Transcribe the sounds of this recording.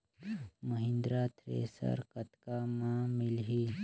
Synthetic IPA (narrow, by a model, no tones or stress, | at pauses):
mɐɦɪ̃nd̪ɾaːt̪ʰɾḛːsə̰ɾkɐt̪kamãːmɪlɦiː